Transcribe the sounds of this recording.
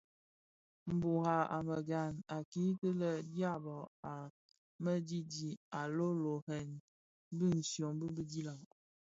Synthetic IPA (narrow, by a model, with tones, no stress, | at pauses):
m̩˨bu˨ha˨a̰˨mə˨ɡa˨na˨ki˦tə˦lə˦˨dja˦bɔ˨a˨ | mə˦d͡ʒi˦d͡ʒi˨a˨lo˦lo˨hɛ˨n˦ | bi˦n̩˨sjo˨ŋbə˦bi˦di˦la˨ŋ